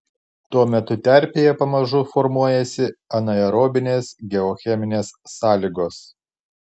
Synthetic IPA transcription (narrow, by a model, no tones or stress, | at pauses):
t̪uɔmʲɛt̪ʊt̪ʲæɾʲpʲeːjɛpɐmɐʒʊfɔɾmuɔjɛsʲɪɐnɐɛɾoːbʲɪnʲeːsɡʲɛɔxʲɛmʲɪnʲeːsːɑːlʲɪɡoːs